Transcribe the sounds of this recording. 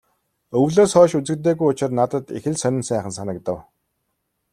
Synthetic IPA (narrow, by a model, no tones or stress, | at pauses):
ɵwɮoːsχɔːʃut͡sɘ̆kt̪̬eːɣujʊt͡ɕɪ̆rnat̪ə̆t̪ḭxɘ̆ɮsœnʲɪ̆nsæːχə̆nsanə̆kt̪ə̆w